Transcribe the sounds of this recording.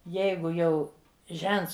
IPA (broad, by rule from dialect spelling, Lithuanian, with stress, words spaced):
ˈjɛɪɡʊ jɛʊ ˈʒʲɛnts